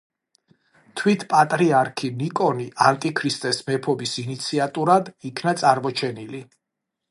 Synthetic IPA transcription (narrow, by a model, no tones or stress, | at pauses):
t̪ʰwit̪ʰpʼat̪ʼɾiaɾkʰinikʼɔniʔant̪ʼikʰɾist̪ʼɛsmɛpʰɔbisinit̪sʰiat̪ʼuɾad̪ikʰnat̪sʼaɾmɔt͡ʃʰɛnili